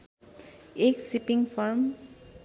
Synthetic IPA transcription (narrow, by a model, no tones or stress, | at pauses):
eksipiŋpʰɔɾm